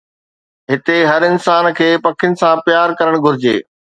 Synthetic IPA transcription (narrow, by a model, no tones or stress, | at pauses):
ɦɪt̪eɦɐɾɪnsaːnkʰeːpɐkʰjʊnɪ̆sãpjaːɾkɐɾəɽ̃ɡʱʊɾɪd͡ʑḛː